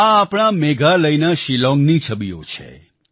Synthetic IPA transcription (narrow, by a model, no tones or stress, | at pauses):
aːpɳ̃ameɡʱaləjnaʃilɔ̃ŋɡnit͡ʃʰəbijo̰t͡ʃʰḛ